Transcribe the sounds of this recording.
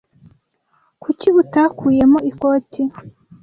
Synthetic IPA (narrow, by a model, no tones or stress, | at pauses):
kuciβutakuːje̞moikoːtʰi